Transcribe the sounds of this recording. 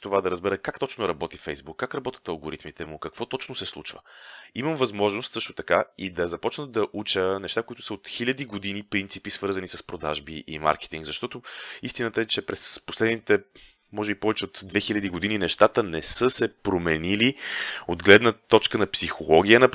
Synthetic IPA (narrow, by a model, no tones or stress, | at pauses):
t̪ovad̪ɐɾəzbɛɾəkakt̪ɔt͡ʃnʊɾɐbɔt̪ifɛjzbukːakɾɐbɔt̪ʲə̥t̪ɐlˠɡoɾit̪mit̪ɛmukɐkvɔt̪ɔt͡ʃnosɛslˠut͡ʃvə̰iməmvɐzmɔʒnost̪sɤʃt̪o̥t̪ɐkaid̪ɐzɐpɔt͡ʃnəd̪ɐʔut͡ʃənɛʃt̪akoit̪ʊ̥səot̪xilʲɐd̪iɡod̪inipɾint̪sipisvɤɾzɐnisəspɾod̪a̰ʒbiʔḭma̰ɾkɛ̥t̪iŋɡzɐʃt̪ɔt̪oist̪inət̪əɛt͡ʃɛpɾɛsposlɛd̪nit̪ɛ | mɔʒɛbipɔvɛt͡ʃɛot̪d̪vɛxilʲɐd̪iɡod̪ininɛʃt̪at̪ənɛsɤsɛpɾomɛniliod̪ɡlɛd̪nət̪ɔt͡ʃkənɐpsixolˠɔɡ̟ʲijənɐ